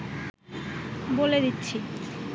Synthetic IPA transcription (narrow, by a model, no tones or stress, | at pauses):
boled̪itːɕʰi